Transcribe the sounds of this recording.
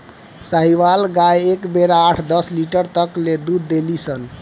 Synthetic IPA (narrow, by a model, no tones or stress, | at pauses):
saɦiʋalɡajekbeɾaːʈʰd̪əsliʈəɾt̪əkled̪ud̪ːelisən